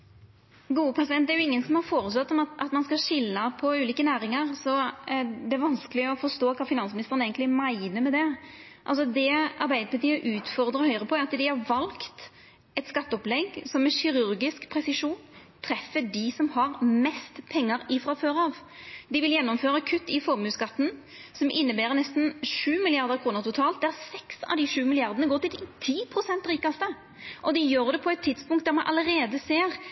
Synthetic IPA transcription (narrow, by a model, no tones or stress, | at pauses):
ɡuːəpʰɑsɪd̪ɛnt̪d̪ɛɾjʊɪŋːənsɔmhɑɾfoːɾəsɑt̪ːɔmɑt̪ɑt̪mɑnskɑʂɪlːəpʰɔʉːliːkənæːɾɪŋəɾsɔd̪ɛæɾʋɑnskəlɪɔfɔɾʂt̪oːkʰɑːfɪnɑnsmɪnɪst̪əɾəneɪɡənɪmæɪnəɾmɛd̪ɛ | ʔɑlsɔd̪ɛɑɾbæɪd̪əpʰɑɾt̪iːəʔʉːt̪fɔɾd̪ɾəɔhœʏɾəpʰɔæɾɑt̪d̪ɪhɑɾʋɑlkt̪ | ɛt̪skɑt̪ːɔplɛɡsɔmɛnɕɪɾʉɾɡɪskpʰɾɛsɪʂuːn | t̪ʰɾɛfːəd̪ɪsɔmhɑɾmɛst̪pʰɛŋːɑɾɪfɾɑføːɾɑʋd̪ɪʋɪljɛnːɔmføːɾɑkʰʉt̪ːɪfɔɾmʉːskɑt̪ːn̩ | sɔmʔɪnːəbæːɾənɛst̪n̩ʂʉːmɪlɪɑɾd̪əɾkʰɾuːnəɾt̪ʊt̪ʰɑːlt̪d̪ææsɛksɑ̰ʋd̪ɪʂʉːmɪlɪɑɾd̪ənəɡoːɾt̪ɪlt̪ɪt̪ʰiːpʰɾʊsɛnt̪ɾiːkɑst̪ə | ʔɔd̪ɪjøːɾd̪ɛpʰɔɛt̪ʰːɪd̪spʊŋkt̪̚d̪æɾmɑnʔɑ̰ləɾeːd̪əseːɾ